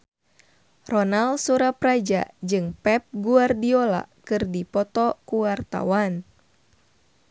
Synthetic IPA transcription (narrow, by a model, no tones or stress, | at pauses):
rɔnalsuɾapɾad͡ʒa̰d͡ʒɨŋpɛp̚ɡuardiola̰kɨrdipɔt̪ɔkuwart̪a̰wan